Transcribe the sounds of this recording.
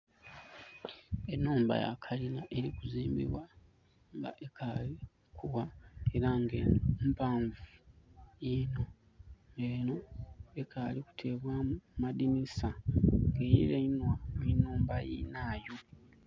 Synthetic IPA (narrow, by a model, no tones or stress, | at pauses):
enːuːmba̰ja̰kʰalinaʔeɾikuziːmbḭβwa | ŋɡa̰ʔekʰali | kʰuwae̞ɾaŋɡeːnompaːɱvujino̞ | ŋɡeːno̞ekʰaliku̥tʰe̞ːβwamumadinisaŋɡeːjḭlenwamenːuːmbajḭnaːjo